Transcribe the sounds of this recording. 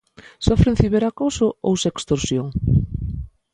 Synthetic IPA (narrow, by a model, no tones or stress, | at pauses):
sofɾenθiβeɾakosoo̰wsekst̪oɾsjoŋ